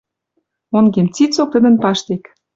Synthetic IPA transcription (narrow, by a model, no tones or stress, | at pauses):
onɡemt͡sit͡sok̚t̪ə̆d̪ə̆npɑʃt̪ek